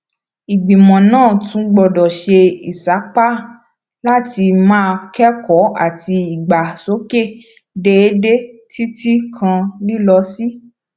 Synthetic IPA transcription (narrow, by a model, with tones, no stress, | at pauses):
i˨ɡ͡bĩ˨mɔ̃˨nãː˦˨tũ˧˦ɡ͡bɔ˨dɔ˨ʃe˧ḭ˨sa˨˦k͡pa˦ | la˦ti˧mãː˦˧kɛ˦kɔ˨˦a˦˨ti˧i˨ɡ͡ba˨so˨˦ke˦˨ | de˧e˦de˦ti˦ti˦kʰã˧li˦lɔ˧si˦